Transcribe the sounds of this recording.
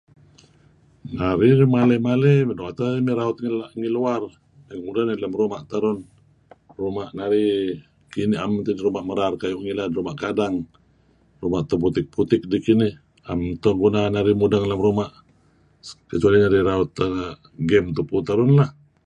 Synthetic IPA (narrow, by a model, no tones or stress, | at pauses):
naɾimalemaledoat̪aimiɾaʊt̪̚ŋilaʔŋiluar | mamudanilamrumaʔt̪aɾʊn | rumaʔnaɾi | kiniamt̪idiɾumaʔməɾarkajuʔŋiladiɾumaʔkadaŋ | rumaʔt̪ɔbut̪ɪk̚put̪ɪk̚dikinih | amt̪ɔɡunanaɾimudaŋlamɾumaʔ | kət͡ʃualinaɾiɾaʊt̪ | ɡɛmt̪uput̪aɾʊnlah